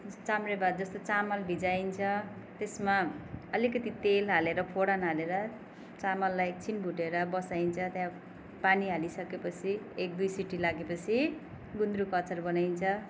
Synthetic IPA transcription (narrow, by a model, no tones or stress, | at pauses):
t͡samrebad̪̚d͡zʌst̪ot͡samʌlbʱid͡zajnt͡sʰʌ | t̪esmaʌlikʌt̪it̪elɦaleɾʌpʰoɽanaleɾʌ | t͡samʌlːajt͡sʰinbʱuʈeɾʌbʌsaint͡sʰʌt̪jã | paniɦalisʌkepʌt͡sʰi | ek̚d̪ujsiʈilaɡepʌt͡sʰi | ɡund̪ɾukʌt͡sʌrbʌnajnt͡sʰʌ